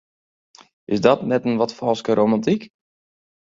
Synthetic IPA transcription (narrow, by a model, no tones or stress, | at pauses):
ɪsdɔtnɛtənʋɔtfɔlˠskəɾʔomãntik